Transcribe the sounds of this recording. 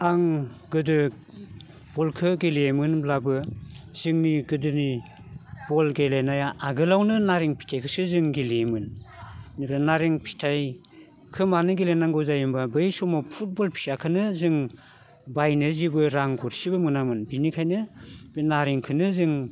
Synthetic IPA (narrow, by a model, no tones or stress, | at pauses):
aŋɡɯdɯ | b̥ɔlkʰɯɡelemɯnblabɯz̥ɯŋniɡɯdɯni | b̥ɔlɡelajnajaʔaɡɯlawnɯnaɾiŋpʰi̥tʰajkʰɯsɯzɯŋɡilemɯnnipʰɾanaɾiŋpʰi̥tʰaj | kʰɯmanɯɡilenaŋɡɯwzajɯmbabɯjsumɔpʰut̚bɔlpʰi̥akʰɯnɯzɯŋ | bajnɯzibɯɾaŋɡɔɾsibɯmɯnamɯnbinikʰajnɯbinaɾiŋkʰɯnɯzɯŋ